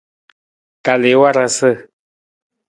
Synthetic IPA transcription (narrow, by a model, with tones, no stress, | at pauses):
ka˨lɪ˨˦wa˦ɾa˧sə˦˨